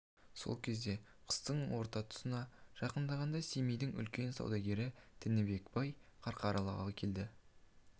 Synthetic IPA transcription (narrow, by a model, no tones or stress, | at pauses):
so̞̰lˠkʲʰe̞zd̪e̞ | qʰə̥st̪əɴwo̞ɾt̪ɑt̪ʰʊ̥sənɑʒ̥ɑqənd̪ɑʁɑnd̪ɑsemijd̪ɪŋʏ̰lkʲe̞nsɑ̰wd̪ɑɡʲe̞ɾɪt̪ʰɪnɪbe̞kbɑjqʰɑɾqɑɾɑlˠɑ̰ʁɑkʲʰe̞ld̪ɪ